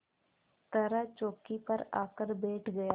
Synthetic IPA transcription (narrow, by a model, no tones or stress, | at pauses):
t̪ɐɾat͡ʃoːkipɐɾaːkəɾbɛːʈʰɡɐjaː